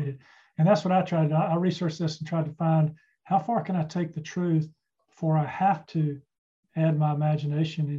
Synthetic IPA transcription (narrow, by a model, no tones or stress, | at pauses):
ɪɾɨd̚ | ɨ̃nðætswʌɾaɪtʰɹ̥aɪdaɪaɪɹisə˞t͡ʃðɪsn̩tʰɹ̥aɪd̚tʰɨfãɪ̃nd̥̚ | haʊfɑɹkɨ̃ɾ̃aɪtʰeɪk̚ðɨtʰɹ̥ʉθ | fə˞aɪhæftʰɨ | æd̚maɪəmæd͡ʒɨneɪʃɨ̃nɨ̃